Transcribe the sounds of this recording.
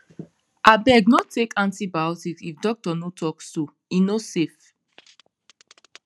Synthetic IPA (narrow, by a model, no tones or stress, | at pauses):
ʔabɛɡnɔtʰekʰãntibawtiksifdɔk̚tɔnotʰɔkso | inosef